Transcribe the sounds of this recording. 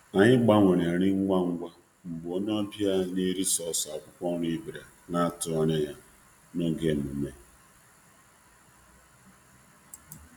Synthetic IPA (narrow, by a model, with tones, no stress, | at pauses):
a˨ɲɪ˦ɡ͡ba˦ŋʷe˨ɾe˨ɾɪ˦ŋ̩˦ɡʷa˦ŋ̩˦ɡʷa˦ | m̩˨bo˦ɲ˦ɔ˦bja˦ne˦ɾi˦sɔ˦˨sa˨kʷʊ˦kʷɔ˦ŋ˦ɾi˦bi˨ɾa˨ | na˦a˦tʊ˨ɔ˦ɲe˦ja˦ | no˦ɡe˦˨m̩˨ṵ˨me˦